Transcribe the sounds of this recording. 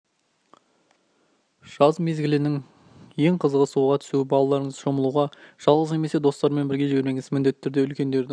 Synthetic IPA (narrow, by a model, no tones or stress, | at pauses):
ʒ̥ɑzme̞zɡʲɪlɪnɪŋ | je̞ŋqʰəzəʁəsuʁɑt̪ʰʏsuɪbɑlˠɑlˠɑɾəɴəzʃo̞məlˠuʁɑʒ̥ɑlˠʁəzne̞me̞se̞d̪o̞st̪ɑɾme̞nbɪɾɡʲe̞ʒɪbe̞ɾme̞ŋɪzmɪnd̪e̞t̪ːɪːʏɾd̪eʏlkʲe̞nd̪e̞ɾd̪ɪ